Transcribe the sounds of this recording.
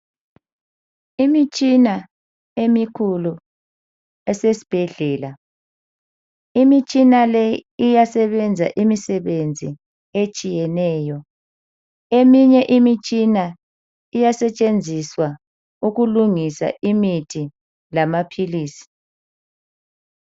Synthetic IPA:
imit͡ʃʼina | emikʰulu | ɛsesi̥b̥ʱɛɮɛːla | imit͡ʃʼinalɛijasɛβɛnd͡zʱa̰ʔimisɛβend͡zʱi | et͡ʃʼijɛnɛːjɔ | emiɲɛʔimit͡ʃʼina | ijasɛt͡ʃʼend͡zʱiswa | uɣuluŋisa̰ʔimitʰi | lamapʰiliːsi̥

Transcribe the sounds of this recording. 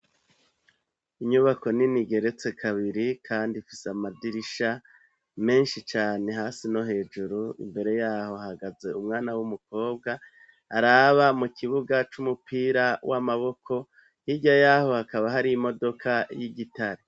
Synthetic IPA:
iɲuβako̞niniɡe̞ɾe̞t͡se̞kʰaβiɾikʰaːndifi̥seamadiɾiʃa | me̞ːnʃit͡ʃaːne̞ɦaːsino̞ɦe̞ːʒuɾuḭmbe̞ɾe̞jaːho̞haɡaze̞umŋaːnawumuko̞ːbɡaː | ɾaβamukʰiβuɡat͡ʃumupiːɾawʔamaβo̞kʰo̞ | hiɟajaho̞hakaβaɦaɾiimo̞do̞kʰajiɡitaɾe

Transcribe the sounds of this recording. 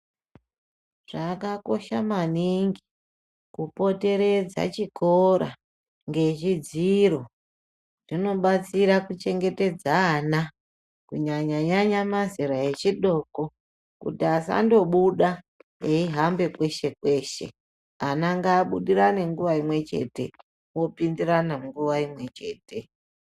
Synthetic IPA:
ʐ̥akako̞ʃamaniŋɡi | kupo̞te̞ɾe̞d͡za̰t͡ʃikʰo̞ɾa̰ | ŋɡe̞t͡ʃid͡ziɾo̞ | ʐ̥ino̞ɓat͡siɾakut͡ʃe̞ŋɡe̞te̞d͡zaːna | kuɲaɲaɲaɲamaziɾae̞t͡ʃiɗo̞ko̞ | kṵtiasa̰ndo̞ɓuɗa | jeiɦambe̞kwe̞ʃe̞kwe̞ːʃe̞̰ | anaŋɡaːɓuɗiɾane̞ŋɡuʋaimwe̞t͡ʃe̞̰te̞̰ | wo̞pindiranaŋɡuʋaimwe̞t͡ʃe̞ːte̞

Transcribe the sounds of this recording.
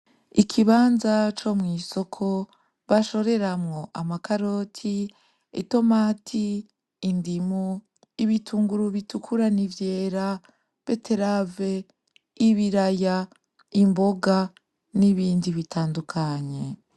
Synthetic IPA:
ikʰiβaːnzat͡ʃo̞mŋiːso̞kʰo̞ | βaʃo̞ɾe̞ɾamŋo̞ʔa̰makaɾo̞tʰi | ḭto̞maːtʰiː | ndimu | iβitʰuːŋɡuɾuβitukʰuɾanivje̞ːɾa | β̥e̞tʰe̞ɾave̞ | iβiɾaja | imbo̞ɡa | niβiːndiβitʰaːndukʰaɲe̞

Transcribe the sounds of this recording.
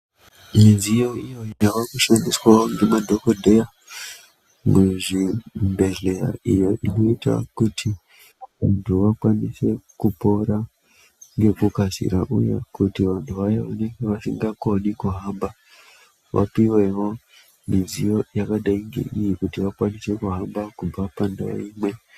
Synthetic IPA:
mizijo̞ijojjaʋakuʃandiswaoŋɡe̞madʱo̞kodʱeja | muʐimbe̞ɮe̞ɾa̰ijo̞ʔino̞ita̰kutʰi | ʋantʰuʋakwanise̞kupo̞ɾa | ŋɡe̞kukasḭɾaʔṵja̰kutiʋantʰuʋajaʋane̞ŋɡe̞ʋasiŋɡakonikuɦamba | ʋa̰piwe̞wo̞ | mid͡zijojakaɗaiŋɡe̞̰ʔijikutiʋakwanise̞kuɦambakub͡vapanda̰o̰imwe̞

